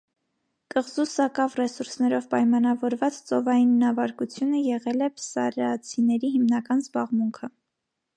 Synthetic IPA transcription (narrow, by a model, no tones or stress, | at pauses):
kəʁzusɑkɑvrɛsuɾsnɛɾɔvpɑjmɑnɑvɔɾvɑt͡st͡sɔvɑjinːɑvɑɾkut͡sʰjunəjɛʁɛlɛpsɑɾɑt͡sʰinɛɾiɦimnɑkɑnzbɑʁmuŋkʰə